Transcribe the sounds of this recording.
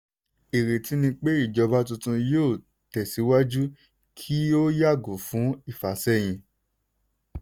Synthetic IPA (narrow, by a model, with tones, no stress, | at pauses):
i˨ɾe˨ti˨˧˦nĩ˧k͡pe˦i˦˨d͡ʒɔ˧ba˦tũ˧tũ˧joː˦˨ | tɛ˨si˨˦wa˦d͡ʒu˦ | kʰi˦o˦ja˦˨ɡo˨fũ˨˦i˦˨fa˨sɛ˦˨j̃ĩ˧